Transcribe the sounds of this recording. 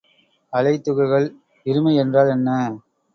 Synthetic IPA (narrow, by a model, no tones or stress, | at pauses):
ɐlɐɪt̪ːɯɣɐɪɣɐɭ | ɪɾɯmɐɪɛndraːlɛnːɐ